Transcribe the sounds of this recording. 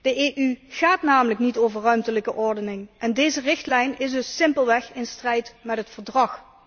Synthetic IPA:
d̥əʔeːʔyɣaːtnaːmələknitoːvərœɥmtələkəʔɔɹdənɪŋʔɛndejzərɪxtlɛjnɪsdɵsːɪmpəlˠʋɛxɪnstrɛjtmɛtɦətfəɹdrɑx

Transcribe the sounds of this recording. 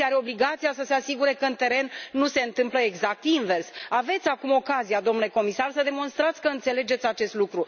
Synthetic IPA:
aɾe̞o̞bliɡat̪sijasəse̞asiɡuɾe̞kəɨnt̪e̞ɾe̞nːuse̞ɨnt̪ɨmpləeɡzak̚t̪inve̞rsave̞t̪sʲakumo̞kazijad̪o̞mnule̞komisarsəd̪emo̞nst̪ɾat̪sʲkəɨnt̪se̞le̞d͡ʒe̞t̪sʲat͡ʃe̞st̪lukɾu

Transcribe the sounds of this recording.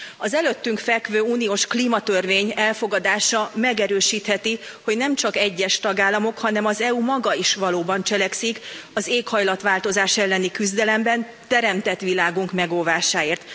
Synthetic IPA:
ɒzɛløt̪ːyŋkfɛkvøːuːnioːʃkliːmɒt̪ørveːɲɛlfo̞ɡɒd̪aːʃɒmɛɡɛɾøːʃiːt̪hɛt̪iho̞ɟnɛmt͡ʃɒkɛɟːɛʃt̪ɒɡaːlːɒmo̞khɒnɛmɒzɛumɒɡɒiʃʋɒloːbɒnt͡ʃɛlɛksikɒzeːkhɒjlɒt̪ʋaːlt̪o̞zaːʃɛlːɛnikyzd̪ɛlɛmbɛn | t̪ɛɾɛmt̪ɛt̪ʋilaːɡuŋkmɛɡolvaːʃaːeːrt̪

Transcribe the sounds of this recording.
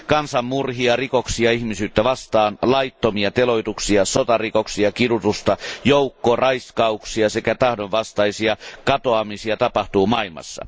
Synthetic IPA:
kɑnsɑmmurhiɑrikoksiɑihmisyːt̪ːæʋɑst̪ɑːnlɑit̪ːomiɑt̪eloit̪uksiɑsot̪ɑrikoksiɑkiɾut̪ust̪ɑjoukːorɑiskɑuksiɑsekæt̪ɑhdoʋʋɑst̪ɑisiɑkɑt̪oɑmisiɑt̪ɑpɑht̪uːmɑilmɑ̰sːɑ̰

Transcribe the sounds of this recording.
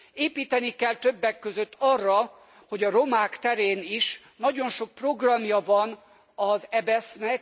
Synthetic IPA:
eːpiːt̪ɛnikɛlt̪ø̞bːɛkːøzø̞t̪ːɒrːɒ | ho̞ɟɒro̞maːkt̪ɛɾeːniʃ | nɒɟo̞nʃo̞k̚pro̞ɡrɒmjɒvɒn | ɒzɛbɛsnɛk̚

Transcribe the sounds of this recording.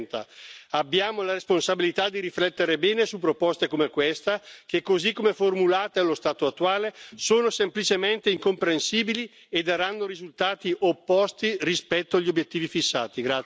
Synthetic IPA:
nt̪a̰abːjaːmolaɾesponsabilit̪ad̪iɾiflɛt̪ːeɾebɛːnesupːɾopɔst̪ekomekwest̪ak̟ekːozikːomeformulaːt̪alost̪aːt̪oat̪ːuaːlesoːnosemplit͡ʃement̪eiŋkompɾensiːbili | ed̪aɾanːoɾizult̪aːt̪iʔopːɔst̪irispɛt̪ːoaʎːiobjet̪ːiːvifisːa̰ːt̪iɡɾa

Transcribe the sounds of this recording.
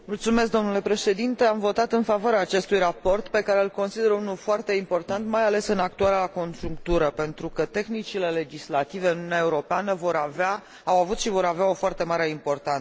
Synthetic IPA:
mult̪sume̞s̬k̚d̪o̞mnule̞pɾe̞ʃe̞d̪int̪e̞amvo̞t̪at̪ɨnfavoaɾeaːt͡ʃe̞st̪ujrapo̞rt̪pe̞kaɾe̞ɨlko̞nsid̪e̞ɾəunulfoart̪e̞impo̞rt̪ant̪majale̞sɨnak̚t̪uaɾako̞nʒuŋk̚t̪uɾəpe̞nt̪ɾukət̪e̞xnit͡ʃile̞le̞d͡ʒislat̪ive̞ɨnununʲaeuɾo̞peanəvoɾava | awavut̪ʃivo̞ɾaveao̞foart̪e̞maɾe̞impo̞rt̪ansə

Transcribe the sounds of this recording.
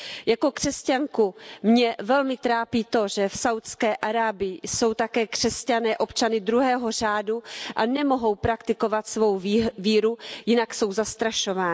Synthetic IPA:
jako̞kr̝̥ɛscaŋkumɲɛvɛlmɪt̪ɾaːpiːt̪o̞ʒɛfsawt̪skɛːʔaɾaːbɪɪso̞wt̪akɛːkr̝̥ɛscanɛːʔo̞pt͡ʃanɪd̪ɾuɦɛːɦo̞raːduʔanɛmo̞ɦo̞wpɾakt̪ɪko̞vat̪svo̞wviːɾujɪnakso̞wzast̪ɾaʃo̞vaːɪ

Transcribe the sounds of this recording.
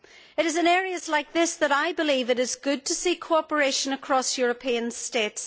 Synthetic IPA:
ɨɾɨzɨ̃nɛɹiɨzlaɪk̚ðɪsðəɾaɪbɨlˠivɨɾɨzɡʊd̚tʰəsikʰoɔpə˞eʃə̃nəkʰɹ̥ɔsjʊɹəpʰĩə̃nstets

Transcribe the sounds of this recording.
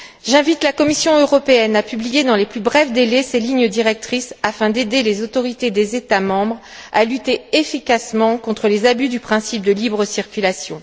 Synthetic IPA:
ʒɛ̃vit̪lakɔmisjɔ̃øʁɔpeɛnapyblijed̪ɑ̃leplybʁɛvd̪elɛseliɲəd̪iʁɛk̚t̪χisafɛ̃d̪ed̪elezot̪ɔʁit̪ed̪ezet̪amɑ̃bʁ | a̰lyt̪eefikʲasmɑ̃kɔ̃t̪χəlezabyd̪ypχɛ̃sip̚d̪əlibʁəsiʁkʲylasjɔ̃

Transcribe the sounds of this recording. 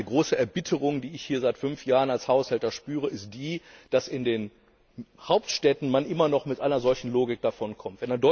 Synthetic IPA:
əɡʁoːsəʔɛɐbɪtʰəʁʊŋdiːɪçhiːɐzaɪtfʏnfjaːʁənalshaʊshɛltɐʃpyːʁ̞əɪst̚d̥iːd̥asɪndeːn | haʊp̚tʃtɛtn̩manʔɪmɐnɔχmɪtʔaɪnɐzɔlçn̩loːɡɪk̚d̥afɔnkʰɔmtv̥ɛnandɔ

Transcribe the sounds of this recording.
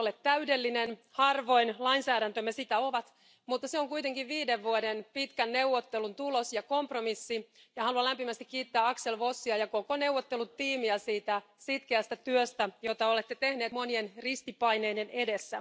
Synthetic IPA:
olet̪tæydelːinenhɑrʋo̞inlɑinsæːɾænt̪ømesit̪æoʋɑt̪ | mut̪ːɑseoŋkuit̪eŋkiʋʋiːdeʋʋuodenpit̪kænːeuʋːot̪ːelunt̪ulosjɑkompromisːijɑhɑluɑlæmpimæst̪ikkiːt̪ːeæːɑkselʋosːiɑjɑkokonewʋot̪ːelut̪iːmiæsiːt̪æsit̪keæst̪æt̪yøst̪æjot̪ɑolet̪ːet̪ehneːt̪monienrist̪ipɑineidenedesːæ

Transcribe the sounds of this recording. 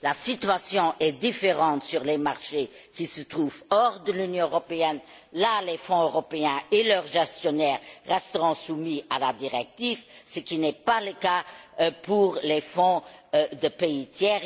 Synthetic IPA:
lasit̪ɥasjɔ̃ʔɛd̪ifeʁɑ̃t̪syʁlemaʁʃe | kisət̪χuːvɔʁd̪əlynjɔ̃øʁɔpeɛn | lalefɔ̃øʁɔpeɛ̃elœʁʒɛst̪jɔnɛːʁːɛst̪əʁɔ̃sumialad̪iʁɛk̚t̪ivsəkinɛpaləkapuʁlefɔ̃d̪əpeit̪ʰjɛːʁ

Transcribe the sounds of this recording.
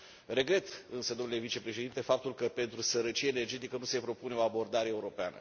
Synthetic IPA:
re̞ɡɾe̞t̪ɨnsəd̪onule̞vit͡ʃe̞pɾe̞ʃe̞d̪int̪e̞fap̚t̪ulkəpe̞nt̪ɾusəɾət͡ʃijeene̞rd͡ʒe̞t̪ikənuse̞pɾo̞pune̞o̞abo̞rd̪aɾeeːuɾo̞pea̰nə̰

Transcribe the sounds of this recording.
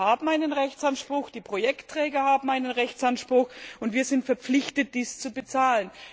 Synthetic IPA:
haːbm̩aɪnənʁɛçt͡sanʃpʁ̥ʊxd̥iːpʁ̥ojɛktʁ̥ɛːɡɐhaːbm̩aɪnənʁɛçt͡sanʃpʁ̥ʊxʊntviːɐzɪntfɛɐp͡flɪçtət̚d̥iːst͡subət͡saːlən

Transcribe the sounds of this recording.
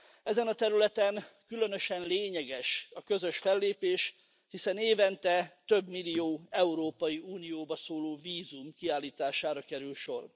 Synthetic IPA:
ɛzɛnɒt̪ɛɾylɛt̪ɛnkylø̞nøʃɛnleːɲɛɡɛʃɒkø̞zø̞ʃfɛlːeːpeːʃ | hisɛneːvɛnt̪ɛt̪ø̞bmilːijoːɛuɾoːpɒjiuːnijoːbɒsoːloːviːzumkiaːlːiːt̪aːʃaːɾɒkɛɾylʃo̞r

